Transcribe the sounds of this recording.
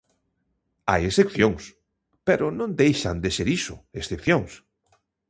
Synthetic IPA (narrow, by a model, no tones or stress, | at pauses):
a̰jesθepθjoŋs | peɾʊnõnd̪ejʃa̰nd̪eseɾisʊ̰esθepθjoŋs